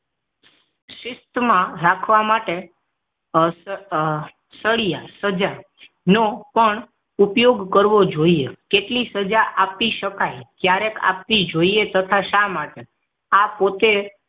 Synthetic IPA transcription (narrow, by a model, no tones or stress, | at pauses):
ʃɪst̪mãɾakʰʋamaʈe | s | səɭijasəd͡ʒa | nopəɳ | upjoɡkəɾʋod͡ʒoiekeʈlisəd͡ʒaʔap̚t̪iʃəkajkjaɾeka̰p̚t̪id͡ʒoiet̪ət̪ʰaʃamaʈe | apot̪e